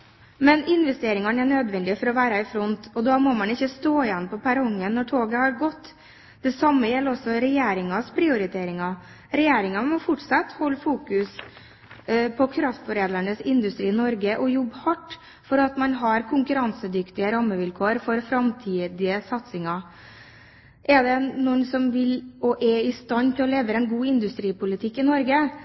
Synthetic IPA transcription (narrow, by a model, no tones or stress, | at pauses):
mɛnɪnʋɛst̪eːɾɪŋɑnæɳød̪ʋɛnd̪ɪfɔɾɔʋæːɾɑɪfɾɔnt̪ɔd̪ɑmɔmɑnɪçːəst̪oːɪjɛnːpʰɔpʰæɾʊŋːənːɔʈʰoːɡəhɑɾɡɔt̪ː | d̪̥ɛsɑmːəjɛlːɾɔsːɔɾɛjeːɾɪŋɑspʰɾɪʊɾɪt̪ʰeːɾɪŋɑ | ɾɛjeːɾɪŋɑmɔfʊʈsɑt̪ːhɔlːfuːkʉs | pʰɔkʰɾɑft̪fɔɾeːd̪əɳəsɪnd̪ʉst̪ɾiːɪnɔɾɡəʔɔjɔbːhɑʈː | fɔɾɑt̪mɑnɦɑɾkʰʊŋkʉɾɑnsəd̪ʏkt̪ɪəɾɑmːəʋɪlkʰoːɾfɔɾfɾɑmt̪ʰiːd̪ɪəsɑt̪sɪŋɑ | ʔɛd̪ɛnɔnsɔmʋɪlɔʔɛɪst̪ɑnːt̪ʰɪlɔleːʋəɾɛnɡuːɪnd̪ʉst̪ɾiːpʊlɪt̪ʰɪkːɪnɔɾɡə